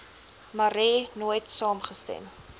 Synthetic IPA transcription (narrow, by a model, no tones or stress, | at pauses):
mɐɾɛnuəjtsɑːmχəstɛ̰m